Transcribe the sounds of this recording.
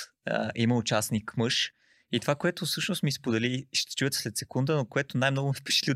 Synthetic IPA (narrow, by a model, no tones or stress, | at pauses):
iməʊt͡ʃasnikmɤʃ | it̪ovakoɛt̪ʊsɤʃnʊst̪mispod̪ɛliʃt̪ɛ̥t͡ʃujət̪slɛt̪sɛkund̪ənokoɛt̪ʊnajmnɔɡʊmifpɛ̥t͡ʃə̥t̪lʲi